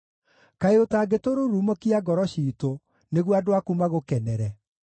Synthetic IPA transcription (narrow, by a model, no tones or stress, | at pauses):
kaeotaːɡetoɾoɾumokiaɡɔɾɔɕiːto | neɣwadowakumaɣokɛnɛɾɛ